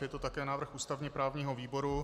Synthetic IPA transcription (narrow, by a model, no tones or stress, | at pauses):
jɛt̪o̞t̪akɛːnaːvr̩xʔuːst̪avɲɛpɾaːvɲiːɦo̞viːbo̞ɾu